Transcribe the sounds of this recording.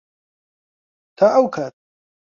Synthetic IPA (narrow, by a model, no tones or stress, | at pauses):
t̪ʰaʔawkʰat̪̚